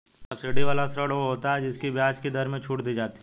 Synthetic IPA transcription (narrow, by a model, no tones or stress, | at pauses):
ɐpsɪɖiʋaːlasɾəɽʋoɦoːt̪aɦɛd͡ʒɪskibjaːt͡ʃkid̪ɐɾmẽt͡ʃʰuːʈd̪id͡ʒaːt̪i̥